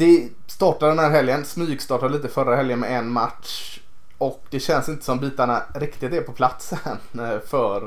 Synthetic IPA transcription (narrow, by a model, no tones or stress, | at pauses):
d̪ɛ | st̪ɑːʈad̪ɖɛnhæːɾɦɛljənsmyːɡst̪ɑːʈad̪liːt̪əfœɾaɦɛljənmɛ̰ɛnmat̪ʂ | ɔk̚d̪ɛɕɛnsɪnt̪ə̥sɔmbiːt̪aɳaɾɪkt̪ɪt̪ɛɾpʰɔpʰlat̪səənfœɾ